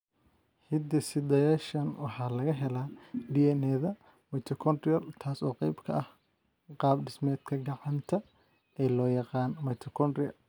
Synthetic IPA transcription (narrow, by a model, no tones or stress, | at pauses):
hɪd̪ɐsɪd̪ɐjaːʃɐnwɑħɑːlɐɣɐɦɛlaːɖiɛnɛːðɐ | mɐjt̪ʰɔkʰɔnd̪ɾɪɐlt̪ʰaːsɔːqɛjbkʰɐ̰ʔɐh | qɑːbɖɪsmɛːd̪kʰɐɡɑʕɑnt̪ʰɐ | ɛːlɔːjɑqɑːnmɐjt̪ʰɔkʰɔndɾɪɐ